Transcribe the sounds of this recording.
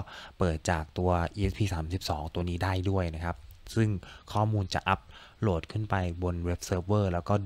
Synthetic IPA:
pɤː˨˩t̪̚t͡ɕaː˨˩k̚t̪u˧ɐʔiː˧ʔe˦˥pʰiː˧saː˩˦msi˨˩p̚sɔ̰ː˩˦ŋt̪u˧ɐniː˦˥daː˥˩jdu˥˩əjna˦˥kʰa˦˥p̚sɯ˥˩ŋkʰɔː˥˩muː˧nt͡ɕa̰˨˩ʔa˦˥p̚loː˨˩t̪̚kʰɯ˥˩npa˧jbo˧nwe˦˥p̚sɤː˦˥p̚wɤː˥˩lɛː˦˥wkɔː˥˩d

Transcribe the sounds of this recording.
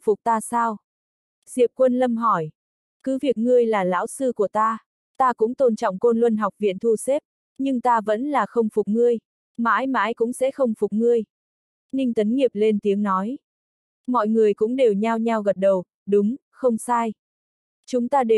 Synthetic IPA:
fʊ˨˩k͡p̚t̪aː˧saː˧w | z̥ḭ˨əp̚kwə˧nlə˧mɦɔ˧˩j | kɨ˨˦vi˨˩ək̚ŋɨ˧əjlaː˨˩la̰ː˧˥wsɨ˧ku˧˩ət̪aː˧ | t̪aː˧kʊ̰˧˥ŋ͡mt̪o˧nt͡ɕɔ̰˧˨ŋ͡mko˧nlwə˧nɦa˨˩wk͡p̚vḭ˧˨ənt̪ʰu˧se˦˥p̚ | ɲɨ˧ŋt̪aː˧və̰˧˥nlaː˨˩xə˧wŋ͡mfʊ˨˩k͡p̚ŋɨ˧əj | ma̰ː˧˥jma̰ː˧˥jkʊ̰˧˥ŋ͡msɛ̰˧˥xə˧wŋ͡mfʊ˨˩k͡p̚ŋɨ˧əj | nï˧ŋ̟t̪ə˨˦nŋi˨˩əp̚le˧nt̪i˨˦əŋnɔ˨˦j | mɔ̰˧˨jŋɨ˨˩əjkʊ̰˧˥ŋ͡mɗe˨˩wɲaː˧wɲa˧wɣə˨˩t̚ɗə˨˩w | ɗʊ˨˦ŋ͡m | xə˧wŋ͡msaː˧j | t͡ɕʊ˨˦ŋ͡mt̪aː˧ɗe˨˩

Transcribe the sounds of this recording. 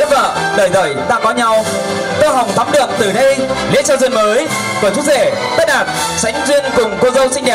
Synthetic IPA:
t̚və̰ː˧˨ɗəː˧˩jzə̰ː˧˩jɗ̪a̰ː˧˩kɔ˨˦ɲa˧w | t̪o˧jɦa˨˩wŋ͡mt̪ʰa˨˦mɗɨ˨˩ək̚t̪ɨ˨˩ɗə˧jlḭ˧˥t͡ɕɔː˧zi˧ənməː˨˦j | ku˧˩t͡ɕu˨˦ze˧˩ | ɓə˦˥t̚ɗaː˨˩t̚ | t͡ɕa˨˦jŋ̟zwi˧ənkʊ˨˩ŋ͡mko˧zə˧wsï˧ŋ̟ɗɛ˨˩

